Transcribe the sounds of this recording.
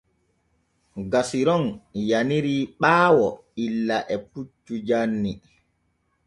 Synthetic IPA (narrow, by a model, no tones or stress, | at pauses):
ɡasiɾɔnjaniɾiːɓaːwɔ | ilːaʔɛput͡ʃːud͡ʒanːi